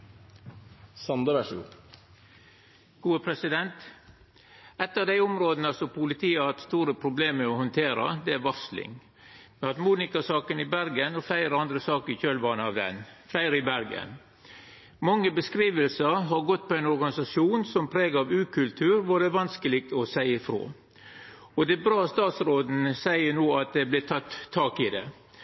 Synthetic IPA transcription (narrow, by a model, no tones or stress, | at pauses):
sɑnd̪əɾɑʂṵ | ɡ̥uːəpʰɾɛsɪd̪ɛnt̪ | ɛt̪ːɑʋd̪æɪɔmɾoːd̪nəɑsɔpʊlɪt̪ʰiːəɑɛt̪st̪uːɾəpʰɾʊbleːmɛɔhɔnt̪ʰeːɾɑ̰d̪ɛæʋɑslɪ̰ŋ | mɛɑt̪muːnɪkɑsɑːkənɪbæɾɡənɔfæɪɾəɑnd̪ɾəsɑːkəɾɪçøːlbɑːnəɑʋd̪ɛ̰nflæɪɾɪbæɾɡə̰n | mɑŋːəbəskɾiːʋəlsəɾɦɑɾɡɔt̪ːpʰɔæɪnɔɾɡɑnɪsɑsjuːnsɔmpʰɾeːɡɑʋʉːkʰʉlt̪ʰʉːɾʋʊɖɛʋɑnskəlɪːɡ̚t̪ɔsæɪəfɾo̰ː | ɔd̪ɛbɾɑːst̪ɑːt̪sɾoːd̪n̩sæɪənoːɑt̪̚d̪ɛblɪt̪ʰɑt̪ʰːɑːkɪd̪ɛ̰